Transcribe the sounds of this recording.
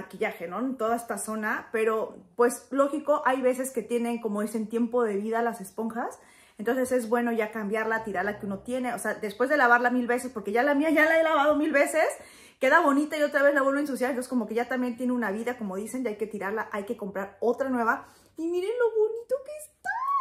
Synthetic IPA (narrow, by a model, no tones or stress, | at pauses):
akiʝaxe̞no̞t̪o̞ðaest̪aso̞nape̞ɾo̞pwe̞slo̞xiko̞ʔajβe̞se̞ske̞t̪je̞ne̞ŋko̞mo̞esent̪je̞mpo̞ð̞e̞βiðalase̞spo̞ŋxas | ent̪o̞nsese̞zβwe̞no̞ʝakambjaɾlat̪iɾaɾlakeuno̞t̪je̞ne̞ose̞aðe̞spwe̞zðe̞laβaɾlamilβe̞se̞spo̞ɾke̞ʝalamiaʝalae̞laβað̞o̞milβe̞se̞s | ke̞ðaβo̞nit̪aio̞t̪ɾaβe̞zlaβenoins̬us̬jaðnt̪oskomo̞ke̞ʝat̪ambje̞nt̪je̞neunaβiðako̞mo̞ðise̞nʝaajke̞t̪iɾaɾlaʔajke̞ko̞mpɾaɾo̞t̪ɾanwe̞βa | imiɾenlo̞βonit̪okest̪a